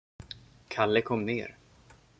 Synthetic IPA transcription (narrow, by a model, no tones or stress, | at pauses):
kʰalːəkʰɔmːnḛːɾ